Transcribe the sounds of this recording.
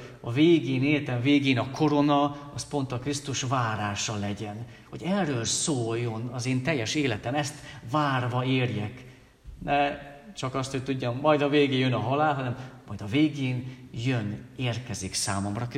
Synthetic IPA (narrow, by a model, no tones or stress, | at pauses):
ɒveːɡeːneːt̪ɛɱveːɡeːnɒkʰo̞ɾo̞nɒɒspo̞nt̪ɒkrist̪uʃvaːɾaːʃɒlɛɟɛn | ho̞ɟɛrːøːlsoːjːo̞nɒzeːnt̪ɛjːɛʃeːlɛt̪ɛmɛst̪vaːrvɒeːrjɛk | nʔɛt͡ʃɒkɒst̪ho̞c̚t̪uɟːɒmːɒjd̪ɒveːɡeːjønɒɦɒlaːlɦɒnɛmːɒjd̪ɒveːɡeːnjøneːrkɛziksaːmo̞mrɒk